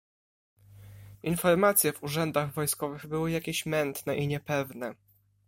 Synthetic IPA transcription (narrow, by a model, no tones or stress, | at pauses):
infɔɾmat̪sʲjɛvuʐɛnd̪aɣvɔjskɔvɘɣbɘwɘjakʲeɕmɛnt̪nɛʔiɲɛpɛvnɛ